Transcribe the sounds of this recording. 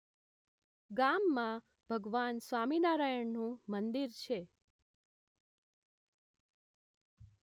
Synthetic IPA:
ɡamːã | b̥ʱəɡʋansʋaminaɾajəɳnũmənd̪iɾt͡ʃʰe

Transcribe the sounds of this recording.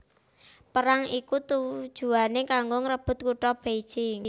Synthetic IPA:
pəɾaŋikut̪ud̥ʒ̥ṳanekaŋɡoŋɾəb̥ʊ̤t̪̚kuʈɔb̥ejd̥ʒ̥ɪŋ

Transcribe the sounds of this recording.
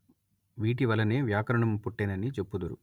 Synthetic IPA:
ʋiːʈ̬iʋɐlːɐneːʋjaːkɐɾɐɳɐmpuʈːeːnɐnit͡ʃepːud̪uɾṵ

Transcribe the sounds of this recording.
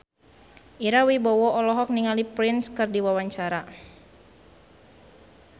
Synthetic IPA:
ʔiɾawibɔwɔʔɔlɔɦɔk̚niŋalipɾɪnskɨrdiwawaɲt͡ʃaɾa

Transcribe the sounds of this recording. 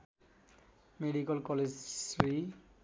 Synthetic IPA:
meɖikolkɔled͡ʑsɾi

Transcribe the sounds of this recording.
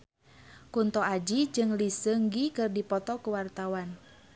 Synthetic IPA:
kunt̪ɔad͡ʒid͡ʒɨŋlisəŋɡikɨrdipɔt̪ɔkuwart̪awan

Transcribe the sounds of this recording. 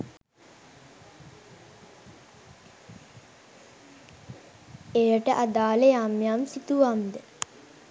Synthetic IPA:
ejəʈəʔad̪aːlejamjamsit̪uʋamd̪ə

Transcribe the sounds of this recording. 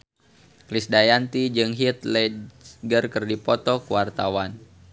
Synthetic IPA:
klisdajant̪id͡ʒɨŋɦit̪lɛɡərkərdipɔt̪ɔkuwart̪awan

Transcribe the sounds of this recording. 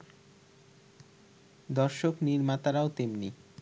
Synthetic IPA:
d̪ɔɾʃokniɾmat̪aɾaot̪emni

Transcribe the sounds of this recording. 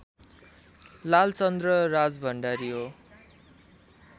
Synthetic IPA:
lalt͡sʌnd̪rʌrad͡zbʱʌɳɖaɾiɦo

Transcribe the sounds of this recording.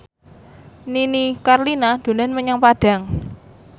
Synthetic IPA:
ninikarlinad̪̥o̤nanməɲaŋpaɖ̥a̤ŋ

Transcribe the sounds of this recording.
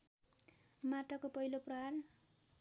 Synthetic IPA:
maʈʌkopʌɦiloprʌɦar

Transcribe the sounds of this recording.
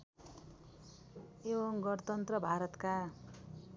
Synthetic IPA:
ewʌŋɡʌɾt̪ʌnt̪rʌbʱaɾʌt̪ka

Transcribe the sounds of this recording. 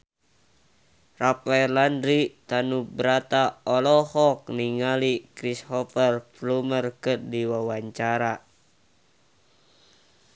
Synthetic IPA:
rapaɛrlanɾit̪anubɾat̪aɔlɔhɔk̚niŋalikɾishɔfərplumərkərdiwawaɲt͡ʃaɾa

